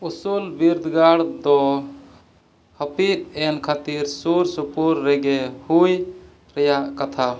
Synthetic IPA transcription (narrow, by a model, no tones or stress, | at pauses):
usulbiɾd̪ɡaɽd̪ɔ | həpit̪̚ɛnkʰat̪iɾsuɾsupuɾːɛɡɛhuj | ɾɛjaʔkat̪ʰa